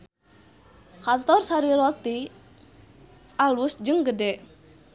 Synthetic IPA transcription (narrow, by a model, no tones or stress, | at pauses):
kant̪ɔrsaɾiɾɔt̪i | ʔalusd͡ʒɨŋɡədɛʔ